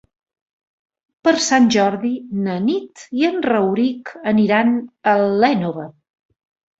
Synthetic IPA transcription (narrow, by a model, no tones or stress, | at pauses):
pəɾsanʲʒɔɾðinənit̪iənrəwɾikəniɾanəlːɛnoβə